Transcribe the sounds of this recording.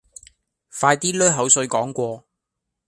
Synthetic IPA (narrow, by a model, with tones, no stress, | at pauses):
faː˧jt̪iː˥lœː˥ɦɐ˨˥wsɵ˧ɥkɔː˨˥ŋkʷɔː˧